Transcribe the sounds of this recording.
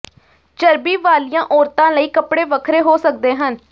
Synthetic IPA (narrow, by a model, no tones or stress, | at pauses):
t͡ʃəɾbiːʋaːlijãːʔɔːɾt̪ãːləiːkəpɽeːʋəkʰɾeːɦoːsək̚d̪eːɦən